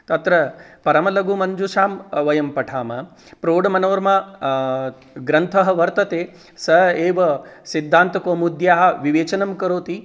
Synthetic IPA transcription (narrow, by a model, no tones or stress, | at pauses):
t̪ɐt̪ɾɐpɐɾɐmɐlɐɡumɐnd͡ʒuʃaːmʋɐjɐmpɐʈʰaːmɐ | pɾoːɖɐmɐnoːɾma | ɡɾɐnt̪ʰɐɦɐ̆ʋɐɾt̪ɐt̪eː | sɐeːʋɐsid̪ʱːaːnt̪ɐkoːmud̪ʱjaːɦɐ̆ʋiʋeːt͡ʃɐnɐmkɐɾoːt̪i